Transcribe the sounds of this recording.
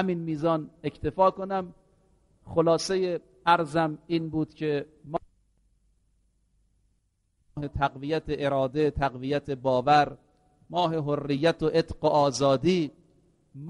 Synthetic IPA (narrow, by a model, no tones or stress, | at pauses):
hæmiːnmiːzɒːne̞cʰt̪ʰe̞fɒːkonæm | xolɒːse̞je | æɾzæmiːnbuːd̪̥cʰem | het̪ʰæɡvijæt̪ʰeʔeɾɒːd̪e̞t̪ʰæɣvijæt̪ʰebɒːvæɾ | mɒːɦeɦorːijːæt̪ʰoʔet̪ɢoʔɒːzɒːd̪iː | m